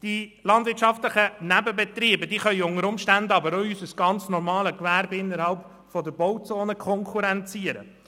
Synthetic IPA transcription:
d̥ilɑnd̥̪vɪɾtʃɑft̪ləχənæbəbɛt̪ɾiːbədiːχœʏʊŋəɾʊmʃtændɑbəɾɔysəsɡ̥ɑnt͡snɔɾmɑːləkʋæːɾbɪɪnːəɾhɑlp | fɔd̪əbɔwt͡soːnəkʰɔŋkʰuɾɛnt͡siəɾə̰

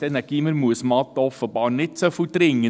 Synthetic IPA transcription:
ɛnæɡ̥iːməɾmuəsmɑt̪ːəɔfəb̥ɑːɾnɪt̪sofot̪ɾɪŋːə

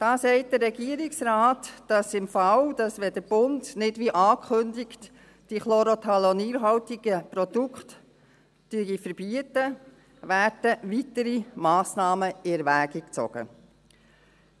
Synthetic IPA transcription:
d̥ɑːsɛɪt̚d̥əɾːɛɡiəɾɪksɾɑːtd̥ɑsɪmfɑwd̥ɑsʋɛdəɾb̥ʊndnɪdʋiʔɑːkʰʏndɪkt | d̥iχlɔɾot̪ʰɑloniːɾɦɑwtiɡ̥əpɾɔd̥ukχt | d̥yəɡifəɾb̥iətə | ʋæːɾd̥əʋitəɾimɑːsnɑːməɪɛɾʋæːɡik̚t͡sɔ̰ɡ̥ə̰

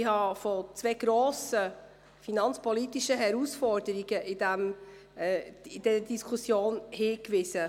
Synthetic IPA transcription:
ɪhɑfɔt͡sveɡ̥ɾoːsə | finɑnt͡spʰɔlit̪iʃəɦɛɾusfɔɾd̥əɾiɡ̥əʔɪd̥̪æm | ɪd̥ɛɾəd̥iskʰusjoːnhiːkʋɪzə

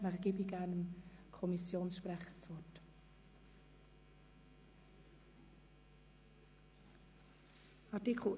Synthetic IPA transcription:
naχɡ̥iːbiɡ̥æːɾnəmkʰɔmisjoːnsʃprɛχət͡sʋɔt | ɑɾtikʰl̩

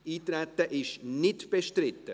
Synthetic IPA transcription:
iːt̪ɾɛt̪ːəʔɪʃnɪtb̥eʃtɾɪt̪ːə

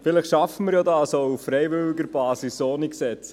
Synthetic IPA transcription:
fɪlɪχʃɑfəməɾjɔdɑːsouffɾɛjʋʏlɪɡəɾb̥ɑːsisoːniksɛt͡s

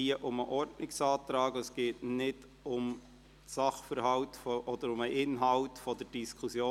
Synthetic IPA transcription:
iəʔʊməʔɔrtnɪksɑːtɾɑːɡəsɡ̥eːtnɪd | ʊm | sɑχfəɾhɑwtfɔʔɔd̥̪əɾʊməʔɪnɦɑwtfɔdəɾd̥iskʰusjoː

